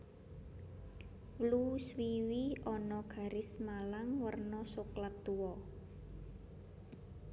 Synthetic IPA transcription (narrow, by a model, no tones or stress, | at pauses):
wluswiwiɔnɔɡ̥a̤ɾɪsmalaŋwərnɔsuklat̪uwɔ